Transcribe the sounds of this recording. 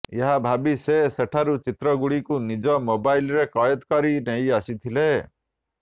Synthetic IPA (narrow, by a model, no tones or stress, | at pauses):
eɦabʱabiseseʈʰaɾut͡ʃit̪ɾɔɡuɽikunid͡ʒɔmobailɾekɔjɔd̪kɔɾinɛiasit̪ʰile